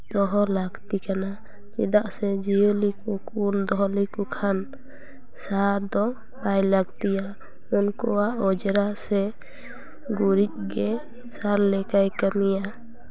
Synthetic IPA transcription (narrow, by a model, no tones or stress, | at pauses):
d̪̥ɔɦɔlaɡt̪ikana | t͡ʃɛ̰d̪aʔsɛd͡ʒijəlikukund̪ɔɦlikukʰan | saɾd̪ɔ | bajlaɡt̪ija | unkɔwaʔɔd͡ʒɾasɛ | ɡuɾic̪̚ˀɡɛ | saɾlɛkajkəmija